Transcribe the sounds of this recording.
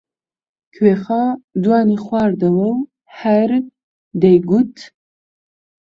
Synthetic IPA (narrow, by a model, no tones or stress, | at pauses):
kʰweːχaːd̪wɑːniχʷɑːɾd̪ɐwɐw | ħɐɾ | d̪ɐjɡut̪ʰ